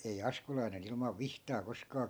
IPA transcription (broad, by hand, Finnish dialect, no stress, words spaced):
ei ɑskulɑinen ilmɑʋ ʋihtɑː koskɑː